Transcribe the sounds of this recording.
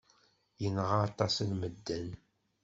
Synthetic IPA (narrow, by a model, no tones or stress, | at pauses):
jənʁat̪ˤɑslməd̪ːæn